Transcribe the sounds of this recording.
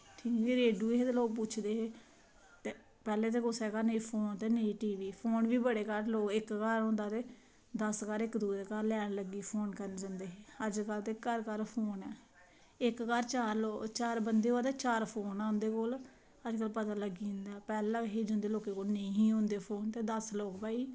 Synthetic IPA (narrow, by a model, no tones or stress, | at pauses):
ʈ̪ʰiːŋɡiɾeːɖjuːɦeːt̪eːloːk̚p̬ʊt͡ʃʰd̪eːɦeː | t̪e | pɛːleːt̪̬eːkʊsɛːkaːnəiːpʰoːnt̪eːneiːʈiːʋiːpʰoːnʋiːbəɽeːkəɾloːkɪkkəɾɔ̃ːnd̪aːt̪eː | d̪əskaɾɪkd̪uːɾeːkaɾlɛːɽ̃ləɡiːpʰoːnkəɾnd͡ʒənd̪eːɦeəd͡ʒkəlt̪ekːəɾkəɾpʰoːnɛː | ɪkkəɾt͡ʃaːɾloːt͡ʃaːɾbənd̪eːɦoːaːt̪eːt͡ʃaːɾpʰoːnaːʊ̃nd̪eːkoːl | əd͡ʒkəlpət̪aːləɡiːʊ̃nd̪aːpɛːlãːɦeːd͡ʒʊ̃nd̪eːloːkeːkoːlnəĩːɦĩːõnd̪eːpʰoːnt̪eːd̪əsloːkbaːiː